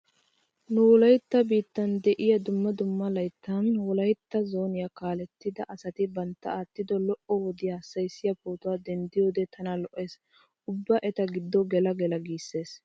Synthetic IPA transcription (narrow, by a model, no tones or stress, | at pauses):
nʊwɔlɐjt̪ːɐbiːt̪ːɐnd̪ɛʔɪjɐd̪ʊmːɐd̪ʊmːɐlɐjt̪ʰːɐnwɔlɐjt̪ːɐzo̞ːnɪjɐkaːlɛt̪ːɪd̪ɐʔɐsɐt̪ɪbɐnt̪ːɐaːt̪ːɪd̪ɔlɔʔɔwɔd̪ɪjɐɐsːɐjsːɪjɐpoːt̪ʊwaːd̪ɛnd̪ɪjo̞ːd̪ɛt̪ʰɐnɐlɔʔeːs | ʔʊbːɐʔɛt̪ɐɡɪd̪ːɔɡɛlɐɡɛlɐɡiːsːe̞ːs